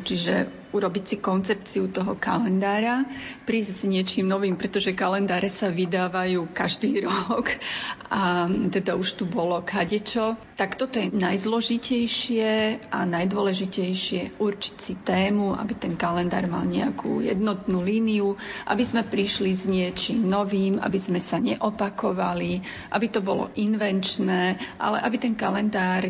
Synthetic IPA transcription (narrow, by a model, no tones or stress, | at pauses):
t͡ʃiʒɛ̰ | uɾɔbicsikɔnt͡sɛpt͡siut̪ɔɦɔka̰lɛnd̪aːɾapɾiːzzɲɪɛt͡ʃiːmnɔʋiːmpɾɛt̪ɔʒɛkalɛnd̪aːɾɛsaʋid̪aːʋajuːkaʒd̪iːɾɔkat̪ɛd̪auʃt̪ubɔlɔkʰaɟɛt͡ʃɔt̪akt̪ɔt̪ɔjɛnajzlɔʒicɛjʃɪɛʔanajd̪ʊɔlɛʒicɛjʃɪɛʔuɾt͡ʃi̥t͡sit̪ɛːmuʔa̰bit̪ɛnkalɛnd̪a̰ːɾma̰lɲɛakʰṵːjɛ̰d̪nɔt̪nuːliːniuʔa̰bizmɛpɾiʃlizɲɪɛt͡ʃimnɔʋiːma̰bizmɛsaɲɛʔɔpakɔʋali | ʔa̰bit̪ɔbɔlɔ̰ʔinʋɛnt͡ʃnɛːʔa̰lɛ̰ʔabit̪ɛnkalɛnd̪aːɾ